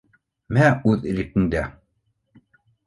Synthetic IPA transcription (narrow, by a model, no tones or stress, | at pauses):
mæʉðɘ̆ɾikɘ̆nd̪æ